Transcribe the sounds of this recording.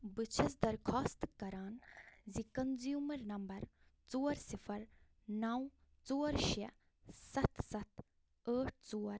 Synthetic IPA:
bɨt͡ʃʰɐsd̪ɐɾkʰɔːst̪kɐɾaːnzikɐnzjuːmɐɾnɐmbɐɾt͡soːɾsifʰɐɾ | nɐw | t͡soːɾʃɐ | sɐt̪sɐt̪ʰ | əːʈ̚ʰt͡soːɾ

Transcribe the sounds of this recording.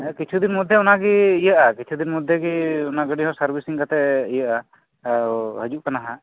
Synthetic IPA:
kit͡ʃʰud̪inmud̪ʱːjɛɔnaɡiːjəʔakit͡ʃʰud̪inmud̪ʱːjɛɡiɔnaɡəɖiɦɔ̃səɾbisiŋkat̪ɛijəʔa | ɦəd͡ʒuʔkanaɦa

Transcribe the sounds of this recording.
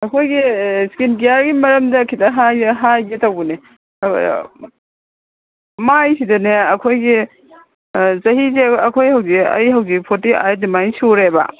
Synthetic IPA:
ɐkʰojɡiskinɡijaɾɡimɐɾɐmdɐkʰidɐɦajɦajɡitɐwbune | majsidɐneɐkʰojɡi | zɐɦizeɐkʰojhɐwziɐ̰jhɐwɡipʰotiʔa̰jdimajsuɾebɐ̰

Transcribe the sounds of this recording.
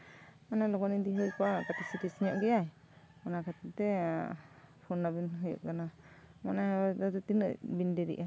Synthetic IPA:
manajlɔkɔnid̪iɦɯjpakat̪isit̪isɲɔʔɡijaj | manakat̪it̪ɛ | pʰɔnːabinɦujṵʔkana | manajad̪at̪ut̪inə̰bindɛɾḭʔa

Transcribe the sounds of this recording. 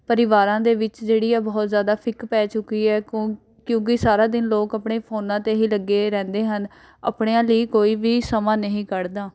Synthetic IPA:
pəɾɪʋaːɾãːd̪eːʋɪt͡ʃd͡ʒeːɽiːɛːbɔːt̪zjaːd̪aːpʰɪkpɛːt͡ʃʊkːiːɛː | kjõːk̬ɪsaːɾaːd̪ɪnloːkəpɳeːpʰoːnãːt̪eːɦiːləɡːeːɾɛ̃ːnd̪eːɦən | ə̰pɳeːãːləiːkoːiːʋiːsəmãːnəɦĩːkəɾd̪aː

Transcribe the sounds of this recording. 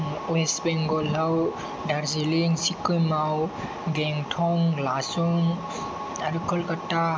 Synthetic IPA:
wesbeŋɡɔlaw | daɾziliŋsikujmaw | ɡeŋtʰɔŋlasuŋ | aɾukʰɔlkatːa

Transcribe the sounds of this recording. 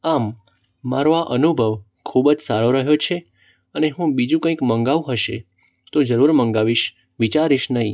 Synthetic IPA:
amː | aɾoaʔənubʱəʋ | kʰubd͡ʒsaɾoɾəɦjot͡ʃʰe | əneɦũbid͡ʒũkə̃ĩkməŋɡaʋuɦəʃe | t̪od͡ʒəɾuɾməŋɡaʋiʃ | ʋit͡ʃaɾiʃnəɦĩ

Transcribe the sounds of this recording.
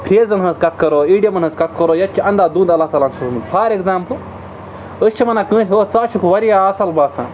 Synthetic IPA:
pʰɾʲeːzɐnɦɐnzkɐt̪̚ʰkɐɾoːiːɖijɐmɐnɦɐ̃zkɐt̪̚ʰkɐɾoːjɐt̪̚t͡ʃʰiɐ̃nd̪aːd̪ũːnd̪ɐlːaːht̪aːlaːnsusmɨd̪pʰaːɾekzaːmp | əst͡ʃʰimɐnaːkɨ̃ːtʰʲoːt͡saːt͡ʃʰukʰuʋɐɾijaːɐsɐlbaːsã̰ː

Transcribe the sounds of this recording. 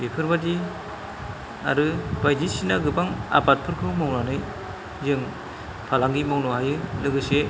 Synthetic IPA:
bekʰɯɾbadi | a̰ɾɯbajdisinaɡɯbaŋa̰bat̚pʰɯɾkʰɯwmawnanɯj | zɯŋ | pʰalaŋɡimawnɔhajɯlɯɡɯse

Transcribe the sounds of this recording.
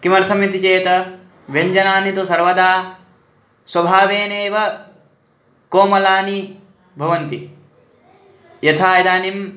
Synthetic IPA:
kimɐɾɐsʰɐmjɐt̪it͡ʃeːt̪ɐ | ʋeɲd͡ʒɐnaːnit̪usɐɾʋɐd̪aː | swɐbʱaːʋeːneːʋɐ | koːmɐlaːni | bʱɐʋɐnt̪i | jɐt̪ʰaːjɐd̪aːnim

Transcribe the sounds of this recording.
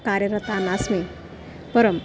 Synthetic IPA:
kaɾjəɾət̪anasme | pəɾəm

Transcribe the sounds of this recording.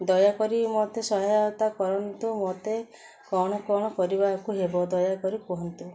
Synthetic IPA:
d̪ɔjakɔɾimot̪esɔɦajaɔt̪akɔɾɔnt̪umot̪e | kɔɽ̃ɔkɔɽ̃ɔkɔɾibakuɦebɔd̪ɔjakɔɾikuɦɔnt̪u

